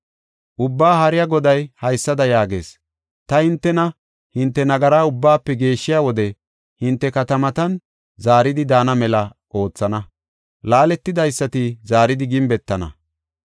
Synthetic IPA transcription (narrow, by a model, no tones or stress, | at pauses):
ʔʊbːaːhɐɾɪjaɡɔd̪ɐjhɐjsːɐd̪ɐjaːɡe̞̰ːs | t̪ɐhɪnt̪ːɛnɐ | hɪnt̪ːɛnɐɡɐɾaːʊbːaːpːɛɡe̞ːʃːɪjawɔd̪ɛ | hɪnt̪ːɛkɐt̪ɐmɐt̪ɐn | zaːɾɪd̪ɪd̪aːnɐmɛlɐ | ʔo̞ːt͡sːɐnɐ | laːlɛt̪ːɪd̪ɐjsːɐt̪ɪzaːɾɪd̪ɪɡɪmbɛt̪ːɐnɐ̰